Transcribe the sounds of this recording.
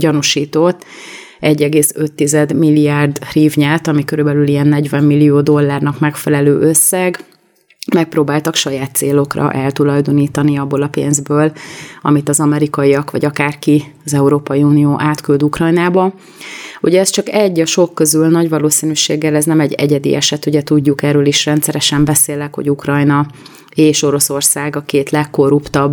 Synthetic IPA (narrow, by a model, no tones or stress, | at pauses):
ɟɒnuʃiːt̪o̞t̪ː | ɛɟːɛɡeːsø̞t̪ːizɛd̪milːijaːrd̪riːvɲɛt̪ɒmikø̞ɾybɛlyliɛnːɛɟvɛmːilːijoːd̪o̞lːaːrnɒkmɛkfɛlɛløːʔøsːɛɡ | mɛk̚pɾoːbaːlt̪ɒkʃɒjaːt̪seːlo̞krɒ̰ʔɛlt̪ulɒjd̪o̞niːt̪ɒniɒbːolɒpḛːnzbøːlɒ̰mit̪ɒzɒmɛɾikɒiɒkʋvɒ̰ɟɒkaːrkiɒzɛuɾoːpɒjiuːnijoːʔaːt̪kyld̪ukrɒjnaːbɒ | uɟɛːst͡ʃɒkɛɟːɒʃo̞kːøzylnɒɟʋɒloːsiːnyːʃḛːɡːɛlɛznɛmɛɟːɛ̰ɟɛd̪ḭɛ̰ʃɛt̪uɟɛt̪uɟːukɛrøːliʃrɛnt̪sɛɾɛʃɛmbɛseːlɛkho̞̰ɟukrɒjnɒ | eːʃo̞ɾo̞so̞rsaːɡɒkeːt̪lɛkːo̞rːupt̪ɒbː